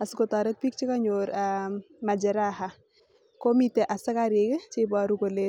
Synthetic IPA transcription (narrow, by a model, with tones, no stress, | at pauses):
a˨sʊ˦ko˨ta˨ɾɛ˦t̚pi˦k̚t͡ʃɪ˦ka˦ɲoɾa | ma˨d͡ʒɛ˨ɾaɦa˨ | ko˦mite˨ʔa˨sɪ˦ka˦ɾɪ˨kɪ˦t͡ʃɪ˦baɾuko˨le˦